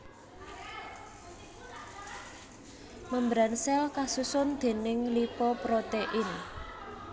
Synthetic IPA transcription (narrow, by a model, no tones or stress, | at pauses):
məmbɾansɛlkasusʊnd̪̥e̤nɪŋlipɔpɾot̪eʔɪn